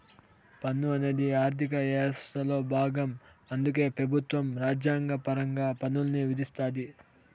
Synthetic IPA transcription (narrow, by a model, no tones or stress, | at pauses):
pɐnːuɐneːd̪iaːɾt̪ʰik̬ɐɛːst̪ɐlo̞ːbʱaːɡɐmɐnd̪uk̬e̞ːpɾɐbʱut̪ʋɐmɾaːd͡ʒjaːŋɡɐpɐɾɐŋɡaːpɐnːulɐniʋid̪ist̪aːd̪i